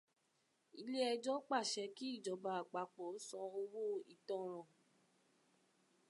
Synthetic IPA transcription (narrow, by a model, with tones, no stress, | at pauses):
i˧le˦ɛ˧d͡ʒɔ˦k͡pa˦˨ʃɛ˨˧˦ki˦i˦˨d͡ʒɔ˨˦ba˧˨a˨k͡pa˨k͡pɔ˨˦sɔ̃˧o˧wo˦i˦˨tɔ̃˦˨ɾ̃ɔ̃˨